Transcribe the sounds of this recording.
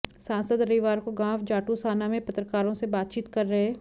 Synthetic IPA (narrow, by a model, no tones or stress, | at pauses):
sãːnsəd̪ɾɐiʋaːɾkoɡãːfd͡ʒaːʈusaːnamẽpɐt̪ɾəkaːɾõsebaːt̪̚t͡ʃiːt̪kɐɾːɐɦeː